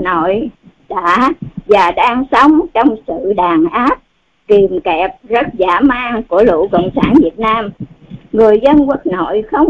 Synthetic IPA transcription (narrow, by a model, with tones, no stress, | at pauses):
no̰˧˨jɗa̰ː˧˥vaː˨˩ɗaː˧ŋsə˨˦wŋ͡mt͡ɕɔ˧wŋ͡msɨ̰˧˨ɗaː˨˩ŋʔaː˦˥p̚ | ki˨˩mkɛ˨˩p̚zə˦˥t̚zaː˧˩maː˧ŋku˧˩əlṵ˧˨kɔ̰˧˨wŋ͡msaː˧˩nvi˨˩ət̚naː˧mŋɨ˨˩əjzə˧nkə˦˥k̚no̰˧˨jxə˧wŋ͡m